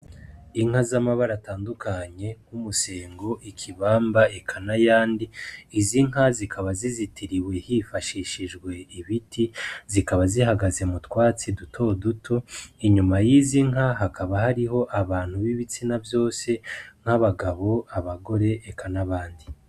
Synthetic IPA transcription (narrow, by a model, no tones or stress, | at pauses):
iŋhazamaβaɾataːndukaɲe̞ŋ̥umuse̞ːŋɡo̞ʔikʰiβaːmbaekʰanajaːndiiziŋɦazikʰaβazizitiɾiwe̞hifaʃiːʃiʒɡwe̞iβitʰizikaβaziɦaɡaze̞mutwaːt͡sidutʰo̞dutʰo̞iɲumajiːziŋɦaɦakʰaβahaɾiɦo̞ʔaβaːn̥huβiβit͡sinavjo̞ːse̞ŋ̥haβaɡaβo̞aβaɡo̞ɾe̞ʔːkʰanaβaːndi